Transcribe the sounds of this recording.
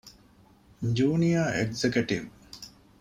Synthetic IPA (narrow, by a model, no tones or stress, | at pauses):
ɲd͡ʒuːnijaːeɡzekeʈiʋ